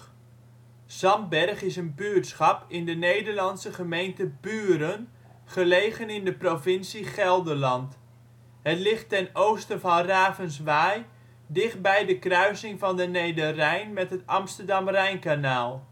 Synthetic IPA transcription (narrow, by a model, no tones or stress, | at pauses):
z̥ɑmbɛrχɪsənbyətsχɑpɪndənejdəɹlɑnsəχəmejntəbyːɾən | χəlejɣənɪndəprovɪnsiχɛlˠdəlɑnt | ɦətlɪχtːɛnowstənvɑnraːvənsʋaːj | dɪχt̚bɛjdəkrœɥsɪŋvɑndənejdərɛjnmɛtɦətɑmstəɹdɑmrɛjnkanaːlˠ